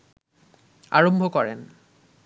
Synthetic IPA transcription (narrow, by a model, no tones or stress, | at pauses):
a̰ɹɔmbʱɔkɔɹɛ̰n